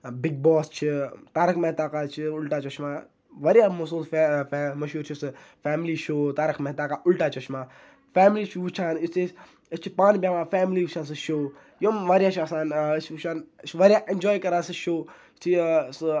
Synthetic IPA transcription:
biɡ̚bɔːst͡ʃʰit̪aːɾɨkʰmeɦt̪aːkaːt͡ʃʰiʊlʈaːt͡ʃʰɐt͡ʃmãː | ʋɐɾjaːmosuːlsmɐʃuːɾt͡ʃʰisɨ | fɛːmliːʃoːt̪aːɾɨkʰmɛɦt̪aːkaːʔʊlʈaːt͡ʃʰɐʃmãː | fɛːmliːt͡ʃʰut͡ʃʰaːnist̪e | ɐst͡ʃʰipaːnbʲjãːʋãːfɛːmliːut͡ʃʰaːnsɨʃoː | jomʋaːɾjaːt͡ʃʰaːsaːnt͡ʃʰʃaːnʋɐɾjaːʔẽnd͡ʒɔːjkɐɾaːsɨʃoː | t͡ʃʰis

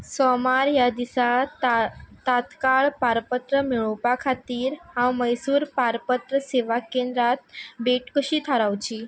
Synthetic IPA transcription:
sɔmaɾjad̪isa | t̪at̪kaɭpaɾpət̪ɾəmiɭɔpakʰat̪iːɾɦãwməjsuːɾpaɾpət̪ɾəseʋakẽnd̪ɾat̪̚beʈkəɕiːt̪ʰaɾaʋt͡ɕiː

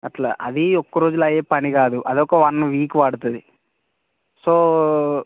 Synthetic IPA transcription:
ɐʈla̰ːʔɐ̰d̪iɔkːɐɾoːd͡ʒulɐjeːpɐniɡaːd̪uʔɐd̪ɔkːɐʋɐnʋiːkʋaːɽut̪ud̪i | soː

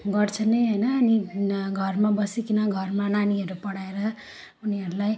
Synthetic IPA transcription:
ɡʌrt͡sʰʌnʌjɦʌjnʌːniɡʱʌrmabʌsikinʌɡʱʌrmananiɦʌɾupʌɽaeɾʌ | uniɦʌɾulaj

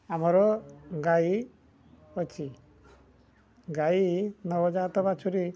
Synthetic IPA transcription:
amɔɾɔɡai | ɔt͡ʃʰi | ɡainɔwɔd͡ʒat̪ɔbat͡ʃʰuɾi

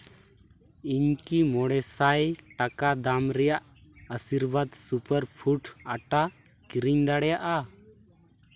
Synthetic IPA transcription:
iɲkimɔɽɛsajʈakad̪amɾɛjaʔ | əsiɾbad̪supəɾpʰuʈaʈa | kiɾiɲd̪aɽɛjaʔa

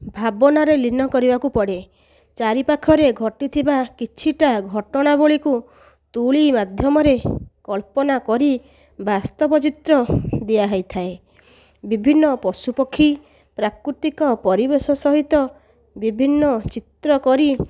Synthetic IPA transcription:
bʱabɔnaɾelinɔkɔɾibakupɔɽe | t͡ʃaɾipakʰɔɾeɡʱɔʈit̪ʰibakit͡ʃʰiʈaɡʱɔʈɔɽ̃aboɭiku | t̪uɭimad̪ʱjɔmɔɾekɔlpɔnakɔɾi | bast̪ɔbɔt͡ʃit̪ɾɔd̪iaɦɔjt̪ʰae | bibʱinːɔpɔsupɔkʰːi | pɾakɾut̪ikɔpɔɾibesɔsɔɦit̪ɔ | bibʱinːɔt͡ʃit̪ɾɔkɔɾi

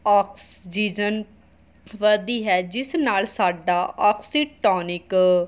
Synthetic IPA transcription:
ɔːksd͡ʒiːd͡ʒən | ʋəd̪iːɦɛːd͡ʒɪsnaːlsaːɖaːʔɔːksiːʈɔːnɪk

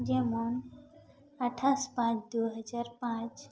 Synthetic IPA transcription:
d͡ʒɛmon | əʈʰaspãt͡ʃd̪uɦəd͡ʒaɾpãt͡ʃ

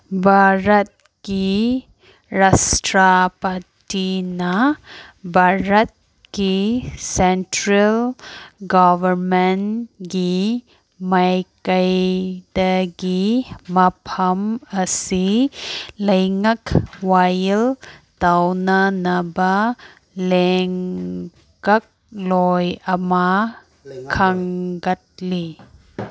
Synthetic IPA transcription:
bʱaɾɐt̪̚ | ki | ɾasʈɾapɐtinɐ | bʱaɾɐt̪̚ | kisenʈɾɐlɡɔbʱɐɾmenɡi | mɐjkɐjdɐɡimɐpʰɐmɐsi | lɐjŋakwajltawnɐnɐbɐ | leŋ | ɡɐk̚lɔjɐmɐ | kʰɐŋɡɐt̚li

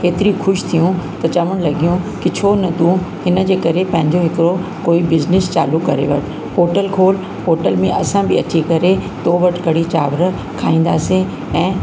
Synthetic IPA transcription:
ɦeːt̪ɪɾixʊʃt̪ʰijũt̪ɐt͡ɕɐʋəɽ̃lɐɡijũkɪt͡ɕʰoːnɐt̪ũɦɪnə̆d͡ʑeːkɐɾepɐ̃ɦɪ̃ɲd͡ʑoɦɪkɪɾokoːibɪznɪst͡ɕa̰ːlukɐɾḛʋɐ̰ʈʰ | poːʈəlkʰoːl | poːʈəlmẽʔɐsãbɪɐt͡ɕikɐɾet̪oːʋɐʈɡɐɽ̤it͡ɕaːʋɾ | kʰaːĩːn̆d̪aːsẽ | ɛ̃ː

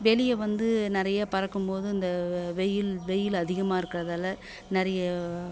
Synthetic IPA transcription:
ʋeːlɪjɐʋɐnd̪ɯnɪɾɐjaːpɐɾɐkːɯmpoːðɯɪnd̪ɐʋɛjːɪlʋɛjɪlɐðɪɣɐmaːɪɾɯkːɪrɐðaːlːɐ | nɪɾɐjɐ

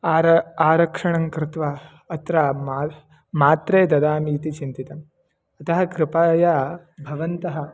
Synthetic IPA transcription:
aːɾɐkʂɐɳɐŋkɾɪt̪ʋaː | ɐt̪ɾamaː | maːt̪ɾeːd̪ɐd̪aːmiːt̪it͡ʃint̪it̪ɐm | ɐt̪ɐɦɐkɾɪpaːjaː | bʱɐʋɐnt̪ɐɦɐ̆

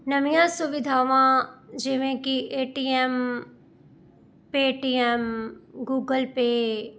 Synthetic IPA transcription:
nɐmijãsuʋɪd̪ʱaːʋãd͡ʒeʋẽkiʔeːʈiem | peːʈiemɡuːɡəlpe

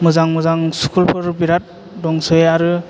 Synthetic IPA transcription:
mɯzaŋmɯzaŋsu̥kʰulpʰɯɾbiɾat̚ | dɔŋsɯjaɾɯ

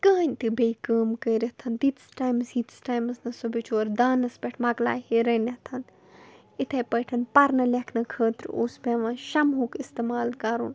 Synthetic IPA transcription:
kəːnʲt̪ɨbejkəːmkɐːɾɐt̪ʰɐnt̪it̪sʈaːjmsiːt̪sʈaːjmɐsnɐsobit͡ʃʰoːɾd̪aːnɐspʲeʈʰmɐɡla̰ːhiɾɐnɐt̪ʰɐn | it̪ʰepɐjʈʰɐnpɐɾnɐlekʰnɐkʰəːt̪ɾo̰ːspʲeʋɐ̃ʃɐmɦuːkist̪emaːlkɐɾun

